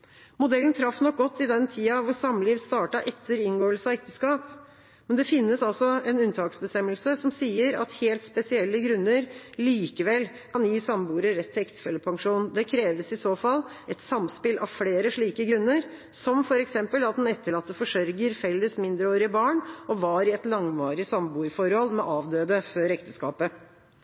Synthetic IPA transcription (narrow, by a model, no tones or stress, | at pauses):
mʊd̪ɛlːn̩t̪ʰɾɑfːnɔk̚ɡɔt̪ːɪd̪ɛnt̪ʰiːɑʋʊsɑmːliːʋst̪ɑːʈɑʔɛt̪ʰːəɾɪnɡoːəlsɑɛk̚t̪əskɑːp | mɛnd̪ɛfɪnːəsɑlsɔɛnʉnt̪ʰɑːksbəst̪ɛmːəlsəsɔmsiːəɾɑ̰t̪heːlt̪spɛsɪɛlːəɡɾʉnːəɾliːkəʋɛlː | kʰɑnjiːsɑmbuːɾəɾɛt̪ʰːɛkt̪ə̥fɛlːəpʰɑŋʂuːnd̪ɛkʰɾeːʋəsɪsoːfɑl | ɛt̪sɑmspɪlʔɑ̰ʋfɽeːɾəʂɭiːkəɡɾʉnːəɾ | sɔmfɔɾɛksɛmpəlɑt̪̚d̪ɛnɛt̪ːəɭɑt̪ːəfɔʂœɾɡəɾfɛlːəsmɪnd̪ɾəoːɾɪəbɑːɳʔɔʋɑːɾɪɛt̪lɑŋʋɑːɾɪsɑmbuːɾfɔɾhɔlmɛ̰ʔɑːʋd̪øːd̪əføɾɛkt̪əskɑ̰ːpə